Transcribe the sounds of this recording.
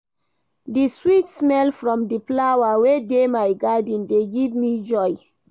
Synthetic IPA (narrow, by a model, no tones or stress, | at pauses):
diswitsmɛlfɹɔ̃mdiplawawedemajɡadĩndeɡivmid͡ʒɔj